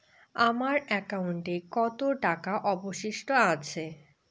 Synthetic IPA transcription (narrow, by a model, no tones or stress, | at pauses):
amaɾɛkauɳʈekɔt̪oʈakaʔɔboʃiʃʈoat͡ɕʰe